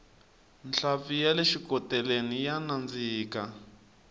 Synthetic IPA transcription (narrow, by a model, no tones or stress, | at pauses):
nɬafijaleʃikɔtɛlenijanand͡ziːka